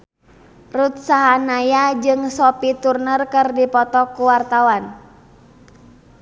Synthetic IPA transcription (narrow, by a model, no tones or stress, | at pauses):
rut̪̚saɦanajad͡ʒɨŋsɔpit̪urnərkɨrdipɔt̪ɔkːuwart̪awan